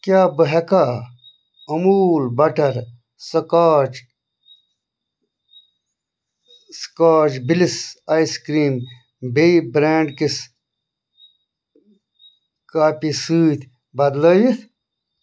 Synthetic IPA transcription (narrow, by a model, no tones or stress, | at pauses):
kjaːbəɦekaː | ɐmuːlbɐʈɐɾ | sɐkaːt͡ʃ | skaːt͡ʃbilisajskɾiːm | beibɾeːɳɖkis | kaːpisɨːt̪ | bɐd̪ləːji